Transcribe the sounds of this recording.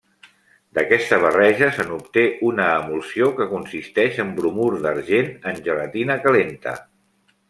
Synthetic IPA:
d̪əkɛst̪əβ̞ərɛʒəsənup̚t̪eʔunəːmulˠsiokəkunsist̪ɛʃəmbɾumuɾðəɾʒenənʲʒələt̪inəkəlent̪ə̰

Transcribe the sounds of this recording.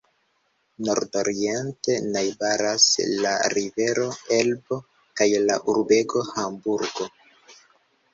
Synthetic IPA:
no̞ɾdo̞ɾie̞nte̞najbaɾaslaɾive̞ɾo̞e̞lbo̞ | kajlaʔuɾbe̞ɡo̞hambuɾɡo̞

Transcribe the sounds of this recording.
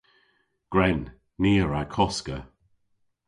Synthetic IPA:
ɡ̥ɹɛnː | iːəɹakʰɔskə

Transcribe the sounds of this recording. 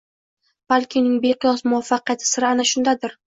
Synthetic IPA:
b̥alʲkʲʰɪnɪŋbeqʰʊjɒsmʊwafːɑqɨjat̪ʰɪ̥sɪɾanaʃʊnd̪ad̪ɪɾ

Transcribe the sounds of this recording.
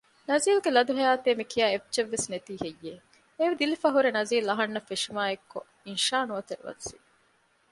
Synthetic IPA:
nɐziːlɡelɐd̪uɦɐjaːt̪eːmikʰijaːeft͡ʃeʋːesnet̪iːhejːe | eʋid̪ilifɐɦuɾenɐziːlɐɦɐnːɐfːeʃimaːekːo | inʃaːnuɐt̪eɾʋɐ̰si

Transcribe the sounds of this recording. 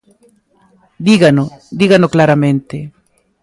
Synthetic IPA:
d̪iɣanod̪iɣanoklaɾamẽnt̪e

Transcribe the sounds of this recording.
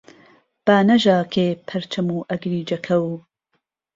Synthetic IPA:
b̥aːnɐʒaːkʰeːpʰɐɾt͡ʃʰɐmuːʔɐɡɾiːd͡ʒɐkʰɐw

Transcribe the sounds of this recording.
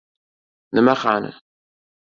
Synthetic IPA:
nəmæχanə̰

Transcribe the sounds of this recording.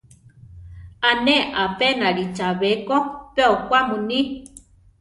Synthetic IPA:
aneʔapenaɾit͡ʃaβekopeokʷamuni

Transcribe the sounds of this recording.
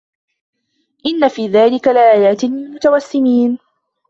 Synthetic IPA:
ʔɪnːafiːðaːlɪkalɪʔaːjaːt̪ɪmɪlmʊt̪awasːɪmiːn

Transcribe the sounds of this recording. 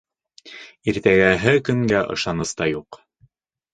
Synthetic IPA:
iɾt̪æɡæɦɘkɵ̆ŋɡæʔɤ̰̆ʃɑnɤ̆st̪ɑjuq

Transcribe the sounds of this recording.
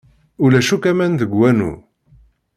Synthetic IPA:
ʊlæʃukæmænðəɡwænṵ

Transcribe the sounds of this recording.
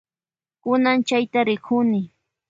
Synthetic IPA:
kʊnant͡ʃajt̪aɾɪkʰʊnɪ

